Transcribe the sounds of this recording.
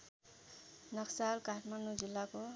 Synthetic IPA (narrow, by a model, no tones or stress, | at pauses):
nʌksalkaʈʰmanud͡zilːako